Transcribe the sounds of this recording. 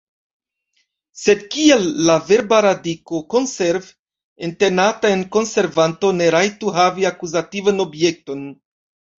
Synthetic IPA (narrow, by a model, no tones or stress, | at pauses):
se̞d̚kielːave̞ɾbaɾadiko̞ko̞nse̞ɾv | ente̞natae̞nko̞nse̞ɾvanto̞ne̞ɾajtuɦaviakuzativano̞bje̞k̚to̞n